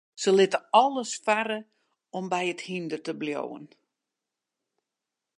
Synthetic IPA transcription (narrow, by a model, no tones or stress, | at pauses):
səlɪtəɔlˠəsfaɾə | ɔmbɛjəthindətəbljo̰wə̰n